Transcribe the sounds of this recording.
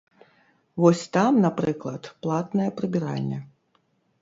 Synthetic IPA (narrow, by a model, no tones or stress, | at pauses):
vɔsʲt̪amnapɾɨklˠɐt̪plˠat̪nɐjɐpɾɨbʲiɾa̰lʲːɛ